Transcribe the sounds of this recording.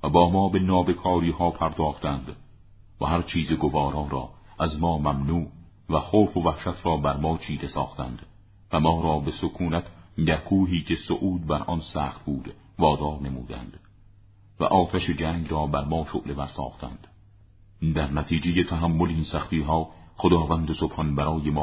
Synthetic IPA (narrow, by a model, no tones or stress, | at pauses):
væbɒːmɒːbe̞nɒːbe̞kʰɒːɾiːhɒːpʰæɾd̪ɒːχt̪ænd̪ | væ̰hæɾt͡ʃʰiːzeɡovɒːɾɒːɾɒ̰ːæzmɒːmæmnuːʔ | væxoːfovæhʃæt̪ʰɾɒːbæɾmɒːt͡ʃʰiːd̪e̞sɒ̰ːχt̪æ̰nd̪̥ | væmɒːɾɒːbe̞sokʰuːnæt̪ʰɟækʰuːɦiːcʰe̞soʔuːd̪̚bæɾʔɒnsæːχt̪̚buːd̪̥ | vɒːd̪ɒːɾne̞muːd̪æ̰nd̪̥ | væ̰ʔɒːt̪ʰæʃed͡ʒæːŋɡrɒːbæɾmɒːʃo̰ʔle̞bæɾsɒ̰ːχt̪ʰæ̰nd̪̥ | d̪æɾnæt̪ʰiːd͡ʒe̞jet̪ʰæɦæmːoleinsæχt̪iːɦɒːχod̪ɒːvænd̪esob̥hɒnbæɾɒːjemː